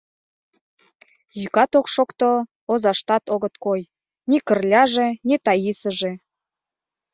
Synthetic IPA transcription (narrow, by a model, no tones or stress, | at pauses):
jykɑt̪okʃokt̪o | ozɑʃt̪ɑt̪oɣə̆t̪koj | nʲikə̆rlʲɑʒenit̪ɑjisə̆ʒe